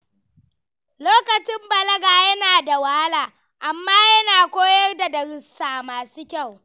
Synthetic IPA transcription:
loː˦kɐ˨t͡ʃɪ˦mbɐ˨lɐ˦ɡaː˨jɐ˦naː˨da˨wa˦ha˦laː˨ | ʔa˨mːaː˦jɐ˦naː˨kʷoː˦jɐ˦rda˨dɐ˨ɽɪ˨sːaː˨maː˨suː˦kʲa˦˨w

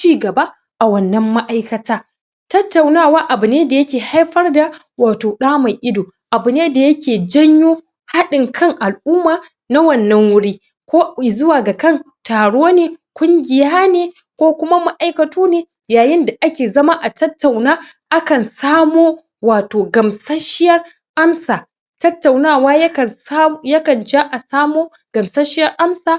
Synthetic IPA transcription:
t͡ʃiː˦ɡɐ˨ba˦ | ʔa˨wɐ˨nːɐ˦mːa˦ʔa˦jkɐ˨taː˦ | tɐ˦tːa˨wnaː˦waː˦ʔa˨bʊ˨neː˦da˨jɐ˦kʲeː˨ha˦jɸɐ˦rda˨ | waː˨toː˨ɗaː˦ma˨jʔɪ˦doː˨ | ʔa˨bʊ˨neː˦da˨jɐ˦kʲeː˨d͡ʒɐ˦ɲjoː˦ | ha˦ɗɪ˨ŋkʰɐ˦ŋʔa˨lʔʊː˦maː˨ | na˦wɐ˦˨nːɐ˦ŋwʊ˦ɽiː˦ | kʷoː˦˨zʊ˦waː˨ɡa˨kɐ˦˨n | taː˨ɽoː˦neː˨kʷʊ˦ŋɡʲɪ˨jaː˦neː˨ | kʷoː˦kʷʊ˦ma˦ma˦ʔa˦jkɐ˨tuː˦neː˨ | jaː˨jɪ˦nda˨ʔa˦kʲeː˨zɐ˦ma˦ʔa˨tʰɐ˦tːa˨wnaː˦ | ʔa˦kɐ˨nsaː˦moː˦ | waː˨toː˨ɡɐ˨msɐ˦ʃɪ˦jɐ˦r | ʔa˦msaː˨ | tɐ˦tːa˨wnaː˦˨waː˦jkɐ˨˦jɐ˦kɐ˨nd͡ʒa˦ʔa˨saː˦moː˦ | ɡ̥ɐ˨msɐ˦ʃɪ˦jɐ˦rʔa˦msaː˨

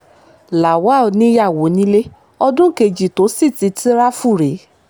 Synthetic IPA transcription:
la˨wa˨˦˨o˨˦nĩ˦ja˦˨wo˨˦nĩ˦le˦ | ɔ˧dũ˦ke˧d͡ʒi˨to˨˦si˦˨ti˨˧ti˦ɾa˦fu˦˨ɾe˨˦

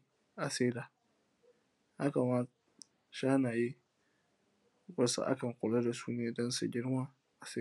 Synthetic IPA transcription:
ʔa˨seː˦daː˨ | ha˦ka˨ma˦ | ʃaː˦naː˨ji˦ | bɐ˦sa̰˦ʔa̰˦kɐ˨ŋkʷʊ˨la˦da˨suː˦neː˨dɔ˦nsṵ˨ɡʲɪ˦ɽma˦ | ʔa˨seː˦˨

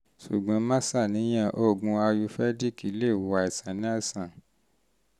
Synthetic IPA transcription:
sṵ˨ɡ͡bã˨˦mã˦sa˦˨nĩ˨˦j̃ã˦˨ʔo˦˨ɡũ˧a˧ju˧fɛ˦di˦˨ki˨˦le˦˨wo˨a˨i˨sã˨nĩ˨˦a˦˨sã˨

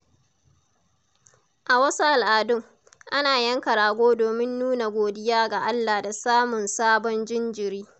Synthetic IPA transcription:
ʔa˨wɐ˦su˦ʔa˨lʔaː˨dʊ˦ŋ | ʔa˦naː˨jɐ˦ŋkɐ˨ɾaː˨ɡʷoː˦doː˨mɪ˦nːuː˦na˨ɡʷoː˨dɪ˦jaː˦ɡa˨ʔa˦lːa˨da˨saː˦mʊ˨nsaː˦bɔ˦nd͡ʒɪ˦nd͡ʒɪ˨ɾiː˦

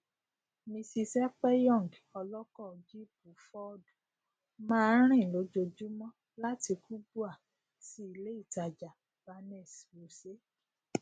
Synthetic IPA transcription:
mĩ˧si˧sɛ˦k͡pɛ˦jɔ̃˦˨ŋɡ | ɔ˧lɔ˦kɔ˦˨d͡ʒi˦p̚u˨˦fɔ˦d | mãː˦˧˦ɾ̃ĩ˦˨lo˨˦d͡ʒo˧d͡ʒu˦mɔ̃˦ | la˦ti˧ku˦bu˦a˦˨ | si˨˦i˧le˦i˦˨ta˨d͡ʒa˨ | b̥a˧nɛ˦˨swo˨se˨˦

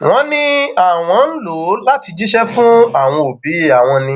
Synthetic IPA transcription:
w̃ɔ̃˨˦nĩ˦a˨w̃ɔ̃˨˦n̩˦lo˨˦la˦ti˧d͡ʒi˦ʃɛ˦fũ˦a˨w̃ɔ̃˧o˨bi˨˦˨a˨w̃ɔ̃˧nĩ˧

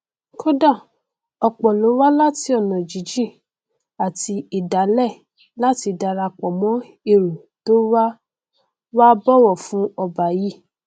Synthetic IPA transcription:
ko˦da˦˨ | ɔ˧k͡pɔ˨lo˨˦wa˦la˦ti˧˦ɔ˦˨nɔ̃˨d͡ʒi˨˦d͡ʒi˦˨ | a˨ti˧i˨da˨˦lɛ˦˨ | la˦ti˧da˧ɾa˧k͡pɔ˨mɔ̃˦ | e˧˨ɾu˨ | to˦wa˦ | wa˦bɔ˦wɔ˦˨fũ˦ɔ˧ba˨ji˨˦

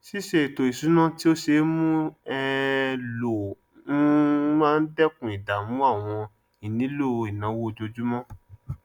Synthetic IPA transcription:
si˦ʃe˦˨to˨i˨su˨˦nã˦ti˦o˦ʃe˧˦mũ˦ɛ˧lo˨ | n̩˦mã˦n̩˦dɛ˦kũ˨i˨da˨mũ˨˦a˦˨w̃ɔ̃˧ | i˨nĩ˨˦lo˦˨i˨nã˨˦wo˦˧d͡ʒo˧d͡ʒu˦mɔ̃˦

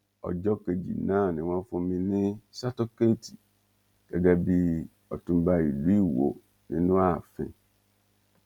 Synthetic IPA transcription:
ɔ̰˨d͡ʒɔ˦ke˨d͡ʑḭ˨nãː˦˨nɪ̃˨wã˦fʊ˨mɪ̃˨nɪ̃˦sa˦to˦ke˦˨tʰi˨ | kɛ˨ɡa˨bi˦ | ɔ˨tũ˨mba˨i˨lu˦i˦wo̰˨ | nɪ̰̃˨nʊ̃˦a˨fɪ̰̃˨

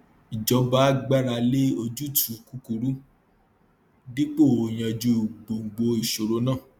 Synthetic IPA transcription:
i˨d͡ʒɔ̃˨˧˦ba˦ɡ͡ba˦ɾa˧le˦o˧d͡ʒu˦tʰũ˨˧ku˦ku˧ɾu˦ | di˦k͡po˦˨o˨j̃ã˧d͡ʒu˧˦˨ɡ͡bo˨ŋ̩˨ɡ͡bo˧i˨ʃo˨ɾo˧nãː˦˨

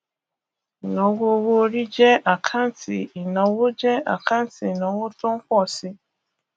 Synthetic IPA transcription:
nɔ˨˦wo˦o˦wo˦ɾi˦d͡ʒɛ˦ʔa˨kʰa˦n̩˨˦ti˨i˨nɔ˨wo˦d͡ʒɛ˦a̰˨ka˦n̩˦ti˨nɔ˨˦wo˦tʊ̃˦ŋ̩˦kʷɔ˦˨si˦

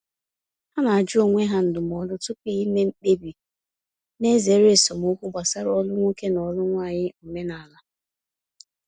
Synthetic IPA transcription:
ha˦na˨a˨d͡ʒo˦˨ŋʷe˦ɦa˦n̩˨dʊ˨m˨ɔ˨lʊ˦tʊ˦pi˦i˦me˦ŋ͡m̩˦k͡pe˦bi˨ | ne˦ze˨˦ɾe˦˨sɔ˨mo˦kʷu˦ɡ͡ba˨sa˦ɾɔ˦lʊ˦ŋʷu˦ke˦nɔ˨lʊ˦ŋʷa˦˨ɲɪ˦u˨me˦na˨a˨la˦

